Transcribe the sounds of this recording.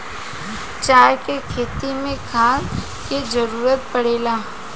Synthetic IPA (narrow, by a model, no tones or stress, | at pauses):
t͡ʃaːjkekʰeːt̪imẽkʰaːn | ked͡ʒəɾuːɾət̪pɐɽeːlaː